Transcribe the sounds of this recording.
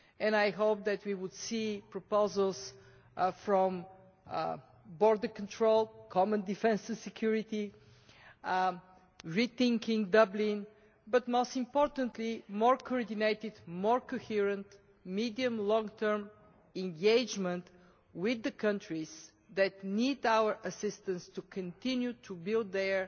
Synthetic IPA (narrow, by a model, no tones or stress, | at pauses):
ɛ̃najɦoʊp̚ðɛt̪wiwʊd̪sipɹɔpoʊzəlˠs | fɹɔ̃m | bɔɹd̪əkə̃ntʰɹolˠkʰɔmə̃nd̪ifɛ̃nsɨ̃nsɛkʰjuɹɪt̪i | ɹiθɪ̃ŋkɪ̃ŋd̪ʌblĩn | bʌt̪moʊst̪ɪ̃mpɔɹt̪ə̃nt̪limɔɹkʰɔɔɹd̪ineɪt̪ɪd̪mɔɹkohiɹə̃nt̪ | mid̪iə̃mlɔ̃ŋɡt̪ʰɜ˞m | ɛ̃nɡeɪd͡ʒmə̃nt̪ | wɪðəkʰʌ̃ntɹiz̥ | ðɛt̪nid̪awə˞ʔəsɪst̪ə̃nst̪ukʰə̃nt̪ɪ̃njut̪ʰubɪlˠd̪ɛɹ